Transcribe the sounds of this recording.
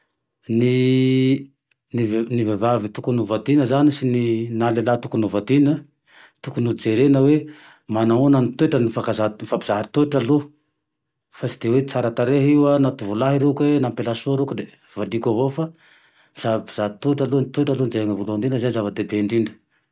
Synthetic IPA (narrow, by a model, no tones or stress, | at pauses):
ni | nivnivevavit̪ukunuvad̪inəzanisininalelat̪ukunuvad̪inə | t̪ukunuid͡zeɾenəwe | manaonanit̪ueʈ͡ʂənifakazafabiz̥aɾit̪eʈ͡ʂalu | fasid̪ewet͡saɾat̪aɾeɦiwanat̪uvulaɦiɾekenampelasuaɾukud̪e | vad̪ikavofa | b̥iz̥abiz̥aɾit̪eʈ͡ʂalunit̪ueʈ͡ʂalunid͡zeaŋavuluaɳɖ͡ʐinəzanzavəd̪ebeɳɖ͡ʐiɳɖ͡ʐə̥